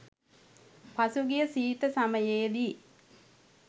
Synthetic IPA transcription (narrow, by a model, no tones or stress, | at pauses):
pasuɡijəsiːt̪əsaməjeːd̪i